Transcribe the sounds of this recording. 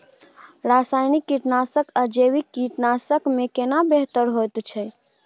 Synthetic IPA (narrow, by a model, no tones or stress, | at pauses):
ɾasajnikːiʈnasəkəd͡ʒewikːiʈnasəkmekenabeɦt̪əɾɦojt̪t͡ʃʰɛ